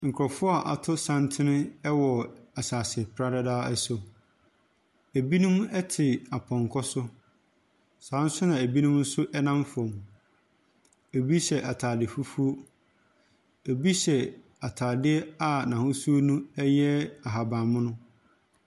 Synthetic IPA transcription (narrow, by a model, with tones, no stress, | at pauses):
ŋ̩˨kʰɾɔ˨fʊ˦a˨ʔa˨tʰʊ˦sã˦ntʰɪ˦nɪ̃˦ɛ˦wɔ˨a˨saː˨spʰɾa˦da˦daː˦ɛ˦so˨ | æ˨bi˦nũ˦m˦ɛ˦tʰɪ˨a˨pʰɔ̃˨ŋ˨kʰɔ˦sʊ˦ | sãː˨˦n̩˦sʊ˦nã˨æ˨bi˦nũ˦mn̩˦sʊ˦ʔɛ˦nã˦mfɔ̃˨m˨ | æ˨bi˦ɕɛ˨ʔa˨tʰaː˨dɪ˨fu˦fu˦o˦ | æ˨bi˦ɕɛ˨ | a˨tʰaː˨dɪ˦ɛ˦a˨nã˨hʊ˦su˦o˦nũ˦ɛ˦jɛ˦a˨ɦa˨bãː˨mʊ̃˦nʊ̃˦